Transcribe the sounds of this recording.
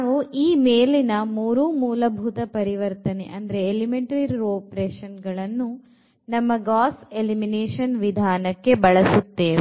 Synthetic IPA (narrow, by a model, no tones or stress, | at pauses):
ʋuʔiːmeːlinɐmuːɾumuːlɐbʱut̪ɐpɐɾiʋɐɾt̪ɐnḛʔɐnd̪ɐɾeːlimeɳʈɐɾiɾiɾoːpɾeːʂɐnɡɐɭɐnːu | nɐmːɐɡaːselimineːʂɐnʋid̪ʱaːnɐkːebɐɭɐsut̪ːeːʋe